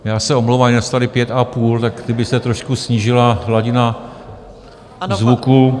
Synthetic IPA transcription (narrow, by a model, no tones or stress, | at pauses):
jaːsɛo̞mlowvamnast̪alɪpjɛt̪apuːlt̪aɡt̪ɪbɪsɛt̪ɾoʃkusɲiːʒɪlaɦlaɟɪna | zvuku